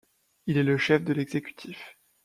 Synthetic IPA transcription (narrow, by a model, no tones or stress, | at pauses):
ilɛləʃɛfd̪əlɛɡzekʲy̥t̪ʰif